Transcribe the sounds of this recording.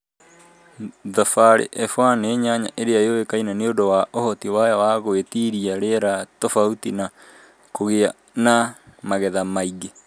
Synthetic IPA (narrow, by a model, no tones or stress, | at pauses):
ðafaɾḛʔɛfwaneɲaɲa̰ʔeɾeajowekainaneodowaʔohɔtiwajawaɣoetiɾiaɾeɾatɔfautina | koɣea | namaɣɛðamaiɡe